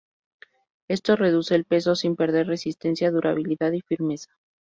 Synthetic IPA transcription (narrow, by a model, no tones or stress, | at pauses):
e̞st̪o̞re̞ð̞use̞ːlpe̞so̞simpe̞ɾðe̞ɾre̞sist̪e̞nsjaðuɾʔa̰β̞iliðaðifiɾme̞sḁ